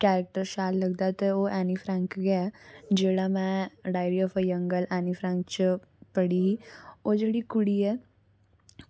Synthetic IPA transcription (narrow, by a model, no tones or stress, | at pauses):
kɛːɾək̚ʈəɾʃaːlləɡ̚d̪at̪eoːʔɛːnipʰɾɛ̃ːŋkɡɛad͡ʒeːɽamɛ̃ːɖaːɪɾiɔːfʰəjə̃ŋɡəlɛːnipʰɾɛ̃ːŋkt͡ʃ | pəɽiɦiːoːd͡ʒeːɽikʊɽiɛː